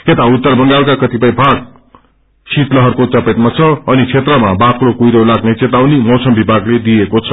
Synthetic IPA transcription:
et̪aut̪ːʌrbʌŋɡalkakʌt̪ipʌj̃bʱãɡ̚ | sit̪lʌɦʌrkot͡sʌpet̪mat͡sʰʌʌnit͡sʰet̪rʌmabakɾokujɾolaɡnet͡set̪awnimʌwsʌmbibʱaɡled̪ijekot͡sʰʌ̥

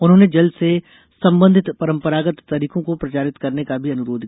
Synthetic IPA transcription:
ʊnɦõːned͡ʒɐlse | sɐ̃mbə̃nd̪ʱɪt̪pɐɾə̃mpəɾaːɡət̪ːɐɾiːkõkopɾɐt͡ʃaːɾɪt̪kɐɾnekabʱiɐnʊɾoːd̪ʱ

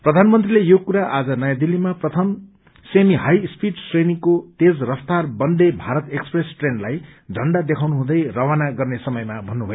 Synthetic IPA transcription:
prʌd̪ʱanmʌnt̪rilejokuɾaʔad͡zʌnʌjad̪ilːimaprʌt̪ʰʌm | semiɦajspiʈsrenikot̪ed͡zrʌft̪arbʌnd̪ebʱaɾʌt̪ekspresʈrenlajd̪ʱʌɳɖad̪ekʰawnuɦũd̪ʌjrʌwanaɡʌrnesʌmʌjmabʱʌnːubʱʌjo

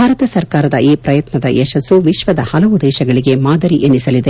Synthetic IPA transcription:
bʱaːɾɐt̪ɐsɐɾkaːɾɐd̪ɐʔiːpɾɐjɐt̪nɐd̪ɐʔɛʃɐsːuʋiʃʋɐd̪ɐhɐlɐʋud̪ɛːʃɐɡɐɭiɡe̞maːd̪ɐɾiʔenːisɐlid̪e

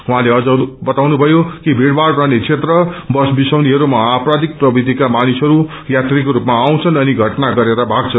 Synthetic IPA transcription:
uɦãleʌd͡zʌbʌt̪awnubʱʌjokibʱiɽbarranet͡sʰet̪rʌbʌsbisawniɦʌɾumʌaprad̪ik̚prʌbid̪ʱikamanisʌɾu | jat̪rikoɾupmaːw̃t͡sʰʌnʌniɡʱʌʈnaɡʌɾeɾabʱaɡ̚t͡sʰʌ

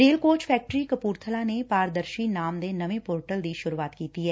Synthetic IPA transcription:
ɾeːlkoːt͡ʃpʰɛːk̚ʈɾikəpuːɾt̪ʰəlanepaːɾd̪əɾʃinaːmd̪enɐʋẽpoːɾʈəld̪iʃʊɾuaːt̪kiːt̪iɦɛː

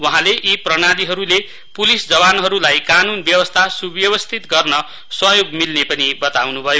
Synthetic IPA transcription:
wʌɦãleʔiprʌñaliɦʌɾule | pulisd͡zʌβanɦʌɾulajkanunbjʌbʌst̪ʰasubjʌβʌst̪ʰit̪ɡʌrnʌ | swʌjoɡmilnepʌnibʌt̪awnubʱʌjo

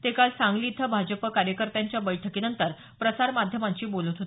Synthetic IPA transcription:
t̪ekalsãŋɡliːt̪ʰəbʱad͡ʑəpəkaɾjəkəɾt̪jaɲt͡ɕjabəjʈʰəkiːnənt̪əɾ | pɾəsaɾmad̪ʱjəmaɲt͡ɕiːbolət̪ɦot̪

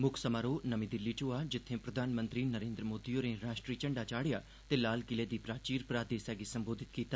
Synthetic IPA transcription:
mʊkʰsəmaɾoːnɐmĩd̪ɪlːit͡ʃoːad͡ʒɪt̪ʰːẽpɾɐd̪ʱaːnmə̃nt̪ɾinɐɾẽːnd̪ɾəmoːd̪ijoɾẽɾaːʃʈɾiːt͡ʃɐɳɖat͡ʃaːɽɪja | t̪eːlaːlɡɪled̪iːpɾaːt͡ʃiːɾpɾaːd̪eːsɛːɡesɐ̃mboːd̪ʱɪt̪kiːt̪a

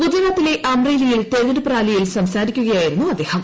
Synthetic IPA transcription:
ud͡ʑɐɾat̪ːile̞ʔɐmreːlijilt̪eɾiɾɨpraːlijilsɐmsaːɾikʲːuɣɐjaːjiɾunːuɐd̪ːeːhɐm

